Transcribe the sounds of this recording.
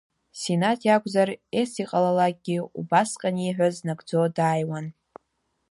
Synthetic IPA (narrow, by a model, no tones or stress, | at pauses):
senatʰjakʷʼzaresiqʼalalak̚ʼɡʲɪṵbasqʼaniħᶣʷaznaɡd͡zodaːjwan